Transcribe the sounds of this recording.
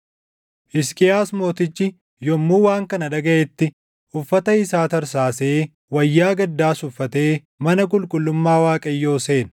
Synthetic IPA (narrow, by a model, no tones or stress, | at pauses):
ʔɪskʼɪjaːsmo̞ːt̪ɪt͡ʃːɪ | jɔmːuːwaːŋkɐnɐᶑɐɡɐʔɛt̪ːɪ | ʔʊfːɐt̪ɐɪsaːt̪ɐɾsaːse̞ː | wɐjːaːɡɐd̪ːaːsʊfːɐt̪e̞ː | mɐnɐk̬ʼʊlkʼʊlːʊmːaːwaːkʼɐjːo̞ːse̞ːn